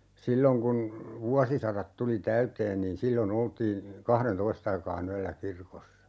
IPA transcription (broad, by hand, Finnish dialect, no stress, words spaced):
silːoŋ kun ʋuɑsisɑrɑt tuli tæyteːn niːn silːon oltiː kɑhrentoist ɑikɑːn yælːæ kirkosːɑ